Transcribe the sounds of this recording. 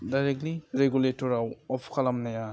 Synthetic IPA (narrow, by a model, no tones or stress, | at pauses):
dajɾek̚tliɾeɡuletɔɾawɔpʰkʰalamnaja